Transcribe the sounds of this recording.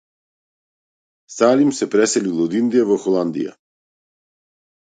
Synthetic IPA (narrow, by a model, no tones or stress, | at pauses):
salimsɛpɾɛsɛlilˠɔd̪ind̪iavɔxɔlˠand̪ḭja̰